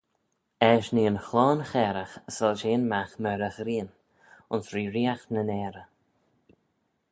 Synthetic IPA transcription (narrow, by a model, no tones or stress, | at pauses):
ɛʃniːənxlɔːnxɛːɾəxəsəlʃeːnmaxmɛɾəxɾiːn | ʊnsɹiːɾiːaxnənɛːɾə